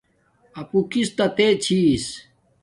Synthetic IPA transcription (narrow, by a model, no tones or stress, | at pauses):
ɐpukist̪ɐt̪et͡ɕʰis